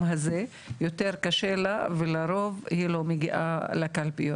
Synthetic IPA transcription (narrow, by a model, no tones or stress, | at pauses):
ɦaze | jot̪eʁkaʃelavelaɾo̞vhilo̞meɡiʔa̰lakalpijo